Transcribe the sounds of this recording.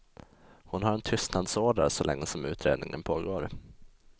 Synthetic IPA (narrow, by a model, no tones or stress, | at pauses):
hʊnɦaɾɛnt̪ʰʏst̪nad̪soːɖ̪a̰ɾsɔlɛ̰ŋːəsɔmʉ̟ːt̪ʰɾḛːd̪nɪŋənpʰoːɡoːɾ